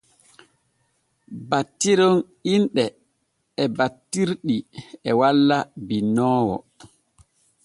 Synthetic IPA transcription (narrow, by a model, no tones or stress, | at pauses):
batːiɾɔn | inɗɛ | ɛbatːiɾɗiɛwalːabinːɔːwɔ̰